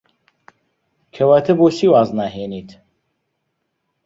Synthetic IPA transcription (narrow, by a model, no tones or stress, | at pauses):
kʰɐwaːt̪ʰɐboːsiːwaːznaːɦeːniːt̪ʰ